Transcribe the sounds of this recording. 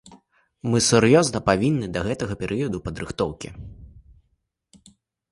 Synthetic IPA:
mɨsɛɾjɔznɐpavʲinːɨd̪ɐɣɛt̪ɐɣɐpʲɛɾʔɨjɐd̪upɐd̪ɾɨxt̪ɔwkʲḭ

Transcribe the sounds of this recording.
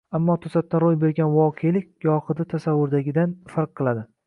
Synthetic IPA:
amːɒt̪ʰʊsat̪̚ːaɾojbe̞ɾɡʲanvɒqʰejlɪkʲɡɒχɨd̪at̪ʰasavːʊɾd̪aɡʲɪd̪anfaɾq̚qːɨlˠad̪ɪ

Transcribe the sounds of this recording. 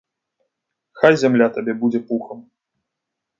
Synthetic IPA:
xajzʲamlʲat̪abʲɛbud͡zʲɛpuxɐm

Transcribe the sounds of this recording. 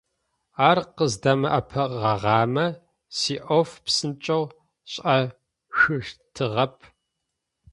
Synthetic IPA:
aːrqəzdɐmɐʔɐpʰɐʁɐʁɑːmɐ | siːʔofpsɨnt͡ʃʼɐw | ɕʼɐ | xɨʃtʰɨʁɐpʰ

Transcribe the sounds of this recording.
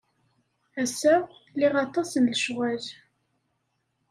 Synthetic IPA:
æsæliʁɑt̪ˤɑsənləʃwæl

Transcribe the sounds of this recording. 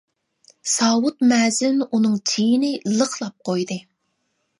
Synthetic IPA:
sɑːwut̪mɛːzɪnunɨŋt͡ʃʰijinɪlˠəqʰlˠɑp̚qʰojd̪ɨ

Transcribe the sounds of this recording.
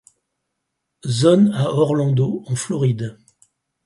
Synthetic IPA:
zɔnaɔʁlɑ̃d̪oɑ̃flɔʁid̪

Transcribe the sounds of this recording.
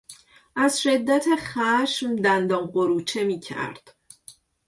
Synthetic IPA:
ʔæzʃe̞d̪ːæt̪ʰexæʃmd̪ænd̪ɒːmɢoɾuːt͡ʃʰe̞miːcʰæ̰ɾd̪̥

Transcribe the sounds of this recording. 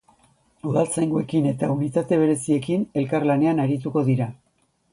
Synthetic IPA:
uðalt͡sajŋɡue̞kine̞t̪aunit̪at̪e̞β̞e̞ɾe̞sie̞kine̞lkarlane̞anaɾit̪̬uko̞ðiɾa

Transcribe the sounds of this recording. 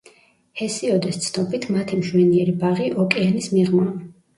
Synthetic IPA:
hɛsiɔd̪ɛst̪sʰnɔpit̪ʰmat̪ʰimʃwɛniɛɾibaʁiʔɔkʼɛɛnismiʁma

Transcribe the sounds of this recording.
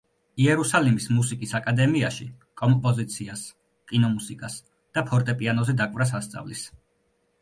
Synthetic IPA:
iɛɾusalimismusikʼisakʼad̪ɛmiaʃḭ | kʼɔmpʼɔzit̪sʰias | kʼinɔmusikʼas | d̪̥apʰɔɾt̪ʼɛpʼianɔzɛd̪akʼvɾas̬ast̪sʼa̰vlis

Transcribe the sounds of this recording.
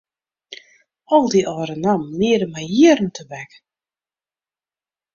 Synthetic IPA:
ɔlˠdiʔɔːɾənamliədəmɛjjiərn̩tʰəbɛk

